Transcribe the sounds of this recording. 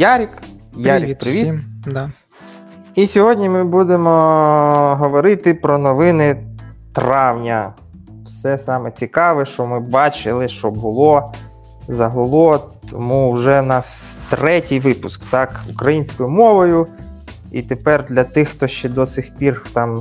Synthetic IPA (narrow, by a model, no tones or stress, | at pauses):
jɑɾʲik | jaɾʲipɾɪʋʲid̪ | isʲɔɦɔdʲnʲimɪbud̪emɔ | ɦɔʋɔɾɪt̪ɪpɾɔnɔʋɪnɪt̪rɑwnʲɐ | wsɛsɑmɛt͡sʲikɑʋɛʃt͡ʃɔmɪbɑt͡ʃɪlˠɪʃt͡ʃɔbʊlˠɔ | zɐɦɔlˠɔt̪ʰɔmuʒɛnɐt̪ɾɛtʲijʋɪpʊskt̪ɑkukɾɐjinʲsʲkɔjʊmɔʋɔjʊ | ḭt̪epɛrd̪lʲɐt̪ɪxt̪ɔʃt͡ʃɛd̪ɔsɪxpʲirt̪ɑm